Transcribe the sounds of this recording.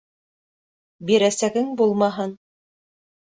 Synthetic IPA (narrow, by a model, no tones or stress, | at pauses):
biɾæsæɡɘŋbulˠmɑɦɤn